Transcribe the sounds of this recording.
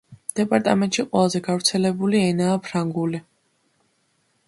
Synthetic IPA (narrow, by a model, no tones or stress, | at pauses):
d̪̥ɛpʼaɾt̪ʼamɛnt̪ʼʃiqʼwɛlˠazɛɡavɾt̪sʰɛlɛbuliɛnaːpʰɾaŋɡuli